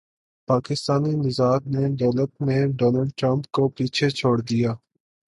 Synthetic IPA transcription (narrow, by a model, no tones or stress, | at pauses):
paːkɪst̪aːninɪzaːd̪neɖɔːləʈ̪̚mẽɖɔːnəlɖʈɾə̃mp̚kopiːt͡ʃʰet͡ʃʰoːɽd̪ijaː